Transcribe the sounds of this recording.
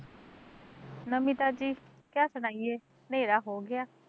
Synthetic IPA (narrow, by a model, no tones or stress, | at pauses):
nəmiːt̪aːd͡ʒiːkjaːsəɽ̃aːieː | neːɾaːɦoːɡɪaː